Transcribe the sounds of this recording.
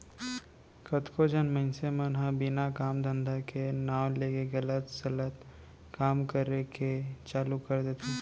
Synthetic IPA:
kət̪kʰod͡ʒənməɪnsemənɦə̃bɪnakaːmd̪ə̃nd̪ʱakenaːw̃leːkeɡələt̪sɐlət̪ | kaːmkəɾeket͡ʃaːlukəɾd̪eːt̪ʰe

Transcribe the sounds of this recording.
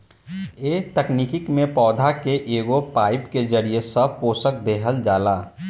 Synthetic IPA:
eːt̪əknikɪkmẽpɔːd̪ʱakeʔeːɡopaːɪpked͡ʒəɾiesəb̚ʱpoːsək̚d̪eːɦəld͡ʒaːlaː

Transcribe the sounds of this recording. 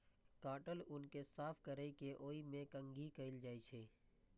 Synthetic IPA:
kaːʈəlʊnkesaːpʰkəɾəikeʔoːimẽkə̃ŋɡʱikəɪld͡ʒaːit͡ʃʰeː

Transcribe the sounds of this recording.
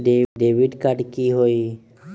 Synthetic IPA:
ɖeɖebʱiɖkaɖkiɦoj

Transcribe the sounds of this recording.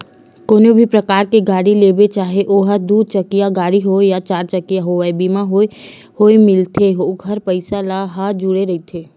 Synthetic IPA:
koːnobʱipɾɐkaːɾkeɡaːɽileːbet͡ʃaːɦeʔoːɦad̪uːd̪̚t͡ʃɐkijaɡaːɽiɦojat͡ʃaːɾt͡ʃɐkijaɦoaebiːmaɦoːe | hoːemɪlt̪ʰeɦoɡʱɐɾpəɪsalaɦad͡ʒʊɽeɾɐit̪ʰeː

